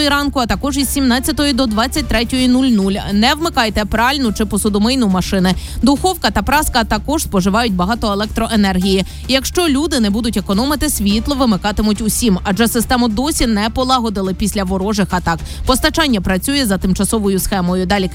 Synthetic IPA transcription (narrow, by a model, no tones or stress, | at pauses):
jiɾɑnkʊɐt̪ɐkɔʒiz̥ʲsʲimnɑt͡sʲjɐt̪ɔjid̪ɔd̪ʋɑt͡sʲːɐt̚ʲt̪ɾɛtʲɔjinulʲnulʲnɛʋmɪkɑjt̪ɛpɾɑlʲnʊt͡ʃɪpɔsʊd̪ʊmɪjnʊmɐʃɪnɪ | d̪ʊxɔwkɐt̪ɐpɾɑskɐt̪ɐkɔʒspɔʒɪʋɑjʊt̚ʲbɐɦɑt̪ɔelˠɛk̚t̪ɾɔʔenɛrɦʲiji | jɐkʃt͡ʃɔlʲud̪ɪnɛbud̪ʊtʲekɔnɔmɪt̪ɪsʲʋʲit̪lˠɔʋɪmɪkɑt̪ɪmʊtʲʊsʲimɐd͡ʒɛsɪst̪ɛmʊd̪ɔsʲinɛpɔlˠɑɦɔd̪ɪlˠɪpʲisʲlʲɐʋɔɾɔʒɪxɐt̪ɑk | pɔst̪ɐt͡ʃɑnʲːɐpɾɐt͡sʲujɛzɐt̪ɪmt͡ʃɐsɔʋɔjʊsxɛmɔjʊd̪ɑlʲi